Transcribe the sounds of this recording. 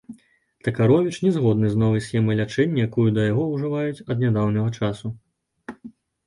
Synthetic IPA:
t̪ɐkaɾɔvʲit͡ʂnʲɛzɣɔd̪nɨznɔvɐjsʲxʲɛmɐjlʲat͡ʂɛnʲːɐjakujud̪ɐjaɣɔwʐɨvajut͡sʲɐd̪nʲad̪awnɐɣɐt͡ʂasu

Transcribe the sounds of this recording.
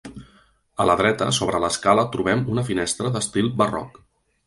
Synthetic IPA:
ələðɾɛt̪ə̰soβɾələskalət̪ɾuβɛmunəfinɛst̪ɾəðəst̪ilˠbərɔ̰k

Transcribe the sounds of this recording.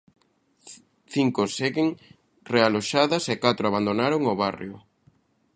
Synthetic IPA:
θiŋkoseɣɪŋ | realoʃaðɐsekat̪ɾoaβand̪onaɾoŋoβarj̰ʊ

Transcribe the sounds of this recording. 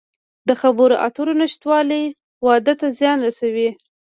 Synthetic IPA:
d̪əxabəɾoʔa̰t̪oɾonɪʃt̪wɑləj | wɑd̪ət̪azjɑnɾasawi

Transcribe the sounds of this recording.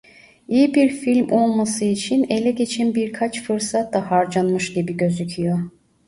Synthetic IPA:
ijibiɾfilʲmʔo̞lˠmasɯit͡ʃʰine̞lʲɛɟe̞t͡ʃʰænbiɾkʰat͡ʃfɯɾsat̪d̪ahaɾd͡ʒanmɯʃɟibiɟø̞zycʰijo

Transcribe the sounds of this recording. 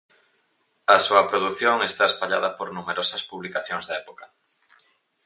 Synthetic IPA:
ɐsuɐpɾoðukθjoŋest̪aespaʎaðɐpoɾnumeɾosɐspuβlikaθjoŋzðɐɛpo̥kɐ

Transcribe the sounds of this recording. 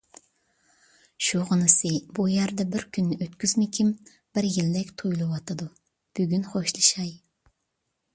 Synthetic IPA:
ʃuʁənɨsɨbujæɾd̪ɛbɪɾkʲʰynːyʔøt̪kʲyzmɪkʲʰim | b̥ɪɾjilːɛkʲt̪ʰujlˠɨwɑt̪ʰɨd̪u | b̥yɡʲynχoʃlˠɨʃɑj

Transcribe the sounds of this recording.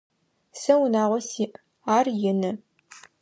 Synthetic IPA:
sɐwʊnaːʁʷɔsiːʔ | aːrjɪnɨ

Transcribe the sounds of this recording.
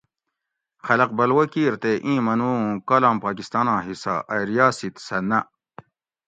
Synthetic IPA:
xɐlɐqbɐlwɐkiːɾt̪eʔĩːmɐnũːkɐlaːmpaːkist̪aːnãːɦisa̰ʔɐɾijaːsit̪sɐnɐ

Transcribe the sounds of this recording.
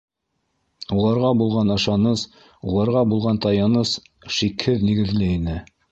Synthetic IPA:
ulˠɑɾʁɑbulˠʁɑnɤ̆ʃɑnɤs | ulˠɑɾʁɑbulˠʁɑnt̪ɑjɑnɤs | ʃikhɘðniɡɘ̆ðlɘinɘ

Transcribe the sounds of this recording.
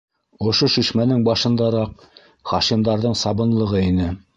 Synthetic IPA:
ŏʃoʃiʃmænɘŋbɑʃɤ̆nd̪ɑɾɑq̚ | χɑʃimd̪ɑɾðɤɴsɑβɤ̆nlˠɤ̆ʁɤinɘ

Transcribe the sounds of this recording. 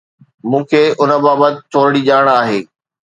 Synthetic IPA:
mũːkʰeːʊnə̆baːbət̪ɪ̆t̪ʰoːɾɪɽiʄaːəɽ̃aːɦeː

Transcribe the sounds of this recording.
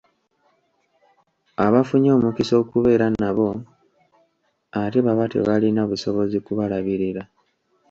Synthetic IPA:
aβafuɲo̞ːmukiso̞ːkuβe̞ːɾanaβo̞ | ateβaβatḛβalinaβuso̞βo̞zikuβalaβiɾiɾa

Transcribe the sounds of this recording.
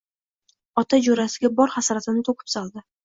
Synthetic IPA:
ɒt̪ʰad͡ʒoɾasɪɡʲabɒɾχasaɾat̪ɪnɪt̪ʰokʰɪ̥psɒlˠd̪ɪ

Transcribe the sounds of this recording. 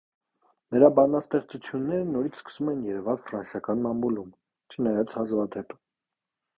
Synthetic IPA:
nəɾɑbɑnɑst̪ɛχt͡sut͡sʰjunːɛɾənɔɾit͡sʰskə̥sumɛnjɛɾɛvɑlfɾɑnsjɑkɑnmɑmbulum | t͡ʃʰənɑjɑt͡sʰhɑzvɑd̪ɛp

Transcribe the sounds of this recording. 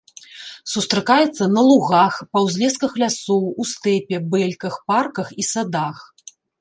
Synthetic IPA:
sust̪ɾɨkajɛt̪sːɐnɐlˠuɣaxpɐwzʲlʲɛskɐxlʲasɔwust̪ɛpʲɛbɛlʲkɐxparkɐxisad̪ax

